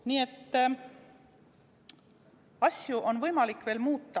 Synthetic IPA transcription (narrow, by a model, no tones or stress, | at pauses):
niːe̞t̪ː | ɑsʲjuʔo̞nvɤjmɑlikːve̞ːlmuːt̪ˑːɑ